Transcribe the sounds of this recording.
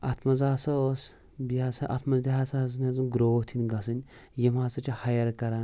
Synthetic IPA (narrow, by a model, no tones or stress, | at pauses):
ɐt̪ʰmɐzaːsos | biaːsɐʔɐ̰t̪ʰmɐzd̪ʲiɦaːsaz̬ɨnʲɐzɨnɡɾoːt̪ʰinʲɡɐsɨnʲ | jimaːsɐt͡ʃihɐjɐɾkɐɾa